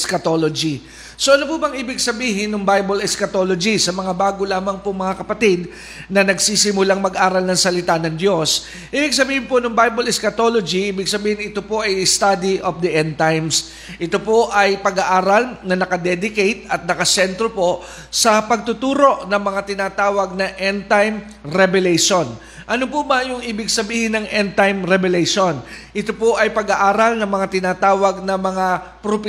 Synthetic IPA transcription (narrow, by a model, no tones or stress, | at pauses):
skɐt̪olod͡ʒi | so̞ʔɐnopuːbɐŋʔiːbɪɡsɐbiːɦɪnːʊŋbajbɐlɛskɐt̪olod͡ʒisɐmɐŋabaːɡolaːmɐŋpoŋmɐŋakɐpɐt̪id̪̚ | nɐnɐɡsisɪmʊlaŋmɐɡʔaːɾɐlnɐŋsɐlɪt̪anɐŋd̪jo̞s | ʔiːbɪɡs̬ɐbiːhɪnpo̞nʊŋbajbɐlɪskɐt̪o̞lod͡ʒiʔiːbɪɡsɐbiːhɪnɪt̪o̞po̞ʔɐjst̪ad̪iʔofd̪ɐʔɛnt̪ajms | ʔɪt̪o̞po̞ʔɐjpɐɡaʔaːɾɐlnɐnɐkɐd̪ɛd̪ɪkejt̪̚ɐt̪̚nɐkɐsɛnt̪ɾopo̞ | sɐpɐɡ̚t̪ʊt̪uːɾo̞ʔnɐŋmɐŋat̪ɪnaːt̪aːwɐɡ̚nɐʔɛnt̪ajm | ɾɛbɛlɛjʃon | ʔɐnopʊbɐjʊŋʔiːbɪɡsɐbiːhɪnɐŋʔɛnt̪ajmɾɛbɛlɛjʃonʔɪt̪opoʔɐjpɐɡaʔaːɾɐlnɐŋmɐŋat̪ɪnaːt̪aːwɐɡ̚nɐmɐŋapɾopɪ